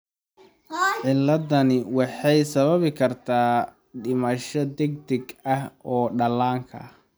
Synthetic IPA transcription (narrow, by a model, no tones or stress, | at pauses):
ʕɪlːɐðɐnɪwɑħɑjsɐβɐβɪkʰɐrt̪ʰaː | ɖɪmɐʃɔd̪ɛɡ̚d̪ɛɡɐhɔːɖɐlaːŋkʰɐ̰